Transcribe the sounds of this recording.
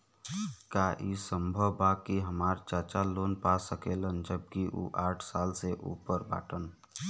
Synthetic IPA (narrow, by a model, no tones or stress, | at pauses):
kaʔisə̃mbʱəwbakiɦəmaːɾt͡ʃaːt͡ʃaloːnpasəkelənd͡ʒəb̚kiʔṵːʔaːʈʰsaːlseʔṵːpəɾba̰ːʈən